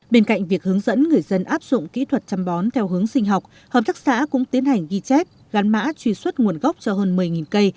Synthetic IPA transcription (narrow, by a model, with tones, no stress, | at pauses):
ɓe˧nka̰˧˨jŋ̟vi˨˩ək̚hɨ˨˦əŋzə̰˧˥nŋɨ˨˩əjzə˧nʔaː˦˥p̚zʊ̰˧˨ŋ͡mkḭ˧˥t̪ʰwə˨˩t̚t͡ɕa˧mɓɔ˨˦nt̪ʰɛ˧wɦɨ˨˦əŋsï˧ŋ̟ɦa˨˩wk͡p̚ | həː˨˩p̚t̪aː˦˥sa̰ː˧˥kʊ̰˧˥ŋ͡mt̪i˨˦ənha˨˩jŋ̟ɣi˧t͡ɕɛ˦˥t̚ | ɣa˨˦nma̰ː˧˥t͡ɕwi˧swə˦˥t̚ŋu˨˩ənɣa˦˥wk͡p̚t͡ɕɔ˧ɦəː˧nmɨ˨˩əjŋi˨˩nkə˧j